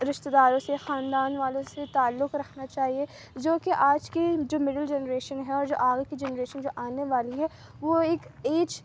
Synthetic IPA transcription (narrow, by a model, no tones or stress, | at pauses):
ɾɪʃt̪ed̪aːɾõsexaːnd̪aːnʋaːlõset̪aːlːʊkɾɐkʰnat͡ʃaːɦie | d͡ʒoːkeʔaːd͡ʒkid͡ʒoːmɪɖəld͡ʒɛnɾeːʃənɦɛɔːɾd͡ʒo̰ːʔaːɡkid͡ʒɛnɾeːʃənd͡ʒoːʔaːneʋaːliɦɛ | ʋoeːkeːt͡ʃ